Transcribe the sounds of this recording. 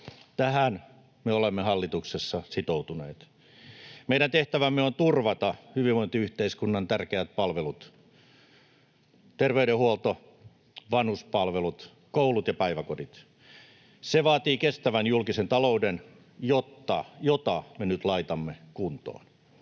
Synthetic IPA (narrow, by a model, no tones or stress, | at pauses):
t̪æhæn | meolemːehɑlːit̪uksesːɑsit̪out̪unḛːt̪ | meiɾænt̪eht̪æʋæmːeont̪urʋɑt̪ɑhyʋiʋoint̪eyht̪eiskunːɑnt̪ærkeæt̪̚pɑlʋelut̪ | t̪erʋeyɾehuolt̪o | ʋɑnhuspɑlʋelut̪ | koulut̪jɑpæiʋækodit̪ | seʋɑːt̪iːkest̪æʋænjulkisent̪ɑlouden | jot̪ːɑjot̪ɑmenyt̪lɑit̪ɑmːekunt̪o̰ːn